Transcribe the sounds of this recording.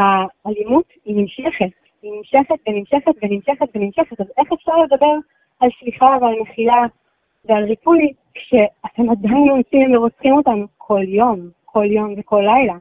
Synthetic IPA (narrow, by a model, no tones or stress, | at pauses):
aːlimut | inimʃeχet | inimʃe̞χet̪venimʃeχetvenimʃeχetvenimʃeχetaze̞χefʃaʁle̞d̪abe̞ʁ | alʃliχavealneχila | vealʁipuni | kʃe̞ate̞madajnlomt͡simveʁot͡sχimotankʰo̞ljo̞mkʰo̞ljo̞mveko̞lːajla